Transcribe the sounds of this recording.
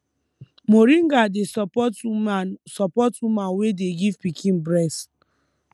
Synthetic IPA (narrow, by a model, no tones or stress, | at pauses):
moɾĩŋɡadesɔpɔt | sɔpɔtwumãnwedeɡivpikʰĩnbɹɛs